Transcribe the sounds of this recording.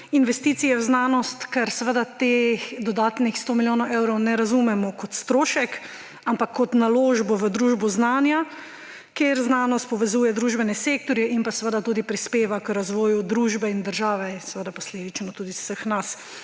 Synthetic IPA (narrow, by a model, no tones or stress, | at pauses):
inʋɛst̪iːt̪sijɛwznaːnɔst̪kɛɾsɛʋəd̪at̪eːxd̪ɔd̪aːt̪nixst̪oːmiljoːnɔwʔɛwɾɔwnɛɾazumɛmɔkɔt̪st̪ɾoːʃɛk | ampakʰːɔt̪naloːʒbɔʋəd̪ɾuːʒbɔznaːnja | keɾznaːnɔst̪̚pɔʋɛzuːjɛd̪ɾuːʒbɛnɛseːk̚t̪ɔɾjɛinpasɛʋəd̪at̪uːd̪ipɾispeːʋakɾazʋɔːjud̪ɾuːʒbɛind̪əɾʒaːʋɛɛsɛʋəd̪apɔsleːd̪it͡ʃnɔt̪uːd̪isəxnas